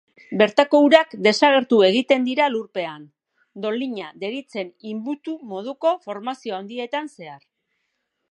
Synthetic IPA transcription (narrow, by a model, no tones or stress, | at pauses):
be̞ɾt̪ako̞uɾakd̪e̞saɣ̞e̞ɾt̪ue̞ɣ̞it̪e̞nd̪iɾaluɾpe̞an | d̪o̞liɲaðe̞ɾit͡se̞nimbut̪umo̞ð̞uko̞fo̞ɾmasio̞and̪ie̞t̪anse̞aɾ